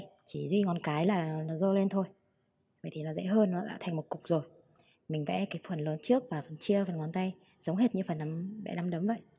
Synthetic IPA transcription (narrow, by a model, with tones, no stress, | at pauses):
t͡ɕi˧˩zwi˧ŋɔ˨˩nkaː˨˦jlaː˨˩nɔ˨˦zo˧le˧nt̪ʰo˧j | və̰˧˨jt̪ʰi˨˩nɔ˨˦zə̰˧˥ɦəː˧nːɔ˨˦ɗa̰ː˧˥t̪ʰa˨˩jŋ̟mo˨˩t̚kʊ˨˩k͡p̚zo˨˩j | mï˨˩ŋ̟vɛ̰˧˥kaː˨˦jfə˨˩nləː˨˦nt͡ɕɨ˦˥ək̚vaː˨˩fə˨˩nt͡ɕi˧əfə˨˩nŋɔ˨˧˦nt̪a˧j | zə˨˦wŋ͡mɦe˦˥t̚ɲɨ˧fə˨˩nːa˨˦mvɛ̰˧˥na˨˦mɗə˨˦mvə̰˧˨j